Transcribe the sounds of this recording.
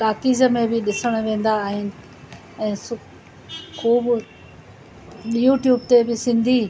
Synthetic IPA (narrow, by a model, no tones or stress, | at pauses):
ʈaːkiːzəmẽbɪɗɪsəɽ̃ʋẽːn̆d̪aːɦɪnɪ̆ | ɛ̃ːsʊ | kuːbʊ | juːʈjuːbt̪ebɪsɪ̃nd̪ʱiː